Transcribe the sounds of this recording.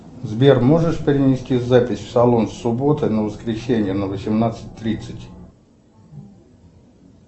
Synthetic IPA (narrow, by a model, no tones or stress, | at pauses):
zbʲermo̞ʐɨʂpʲɪɾʲɪnʲɪsʲtʲizapʲɪsʲfsɐlˠonfsʊbo̞t̪ɨnəvəskɾʲɪsʲenʲɪjənəvəsʲɪmnat̪sɨ̥tʲt̪ɾʲit̪sətʲ